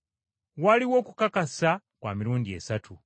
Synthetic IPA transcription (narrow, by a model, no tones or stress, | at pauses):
waliwo̞ːku̥kakasa | kwa̰ːmiɾuːndie̞satʰu